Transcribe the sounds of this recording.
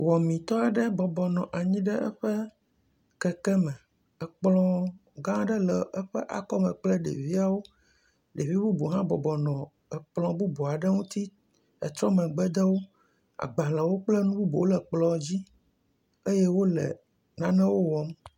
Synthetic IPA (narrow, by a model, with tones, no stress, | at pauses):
wɔ˨mĩ˨t̪ɔ˦a˨ɖɛ˦bɔ˨bɔ˨nɔ̃˨ʔa˨ɲĩ˦ɖɛ˦ʔɛ̰˦ɸɛ˦ | kɛ˨kɛ˦mɛ̃˨ | ɛ˨k͡plɔ̃˦ɡã˦ɖɛ˦lɛ˨ʔɛ˦ɸɛ˦ʔa̰˨kɔ˦mɛ̃˨k͡plɛ˦ɖḛ˨vi˦a˦wo˦ | ɖe˨vi˦bu˦bu˨ɦã˦bɔ˨bɔ˨nɔ̃˨ | ɛ˨k͡plɔ̃˨bu˦bo˨a˨ɖɛ˦ŋũ˦t̪i˦ | ɛ̰˨t̪ɾɔ̃˦mɛ̃˨ɡ͡bɛ˦d̪ɛ˦wo˦ | a̰˨ɡ͡ba˨la˨wo˦k͡plɛ˦nũ˦bu˦bo˨wo˦lɛ˨k͡plɔ˨d͡ʑi˦ | e˦je˦wo˦lɛ̰˨ | nã˦nɛ̃˦wo˦wɔ˨˦m